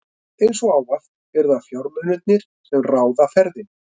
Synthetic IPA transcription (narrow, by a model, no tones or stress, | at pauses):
ejnsɔaːwvaθ | ɛɾðafjawɾmœnʏt̪̚nɪɾ̥ | sɛmraːwðafɛɾðɪn